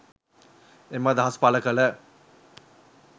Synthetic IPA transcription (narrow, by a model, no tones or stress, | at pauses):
emːad̪aɦɐspaləkələ